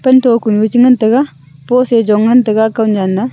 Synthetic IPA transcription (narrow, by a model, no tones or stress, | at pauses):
pɐntokunjut͡ʃiŋɐntɐɡa | posed͡ʒɔŋːɐntɐɡakawnd͡ʒanːɐ